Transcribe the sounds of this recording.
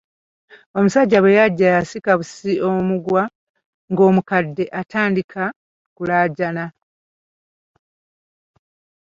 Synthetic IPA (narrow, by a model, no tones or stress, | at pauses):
o̞musaɟːaβwejaɟːajasikaβusiomuɡwa | ŋɡo̞ːmukadːe̞ʔataːndikʰa | kulaːɟana